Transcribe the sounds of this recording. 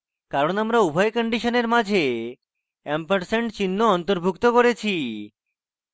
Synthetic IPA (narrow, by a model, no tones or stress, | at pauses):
kaɾonamɾaubʱajkɔɳɖiʃoneɾmad͡ʑʱe | ɛmpaɾseɳʈt͡ɕinːoɔnt̪oɾbʱukt̪okoɾet͡ɕʰi